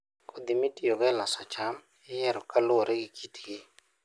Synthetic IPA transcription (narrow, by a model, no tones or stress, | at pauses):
kʰod̪ɪmitioɡɛlasɔt͡ʃam | ɪjɛɾɔkalʊoɾɛɡikʰitɡɪ